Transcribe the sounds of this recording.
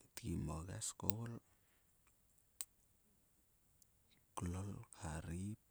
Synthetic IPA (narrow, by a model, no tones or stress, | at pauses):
t̪imɔɡa̰skowl | klɔlkʰaɾi